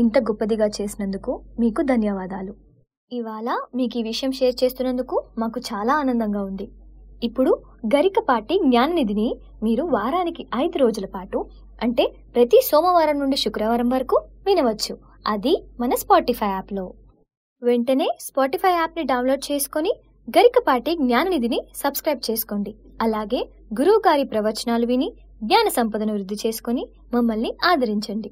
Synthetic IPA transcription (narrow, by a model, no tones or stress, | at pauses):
int̪ɐɡɔpːɐd̪iɡaːt͡ʃe̞ːsinɐnd̪ukumiːkud̪ʱɐnjɐʋaːd̪aːlu | iʋaːɭɐmiːk̬iːʋiʂɐjɐmt͡ʃe̞ːst͡ʃe̞ːst̪unːɐnd̪ukumaːkut͡ʃaːlaːaːnɐnd̪ɐŋɡaːund̪iipːuɽuɡɐɾikɐpaːʈiɡɲaːnɐnid̪ini | miːɾuʋaːɾaːnikiʔɐjd̪uɾo̞ːd͡ʒulɐpaːʈu | ɐɳʈe̞ːpɾɐt̪isɔːmɐʋaːɾɐmnuɳɖiʃukɾɐʋɐɾɐmʋɐɾɐkuʋinɐʋɐt͡ʃːu | ɐd̪imɐnɐspaːʈipʰɐjaːplo̞ː | ʋe̞ɳʈɐne̞ːspaːʈipʰɐjaːpniɖɐwnloːɖ̚t͡ʃe̞ːsu̥koni | ɡɐɾikɐpaːʈiɡɲaːnɐnid̪inisɐbskɾɐjb̚t͡ʃe̞ːsu̥ko̞ːɳɖi | ɐlaːɡe̞ː | ɡuɾuːɡaːɾipɾɐʋɐɾt͡ʃɐnaːluʋini | ɡɲaːnɐsɐmpɐd̪ɐnɐʋɾud̪ʱːit͡ʃe̞ːsu̥koni | mɐmːɐlniaːd̪ʱɐɾiɲt͡ʃɐɳɖi